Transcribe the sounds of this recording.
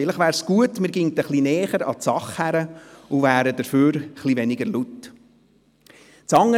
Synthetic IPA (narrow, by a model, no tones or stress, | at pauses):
ɪləχʋæːɾsɡ̥uətmɪːɾɡɪŋtəχlinɛːχəɾɑ̰tsɑχhæɾəuvæːɾəd̥əɾføːɾχliʋɛnɪɡəɾlut | t͡sɑŋːə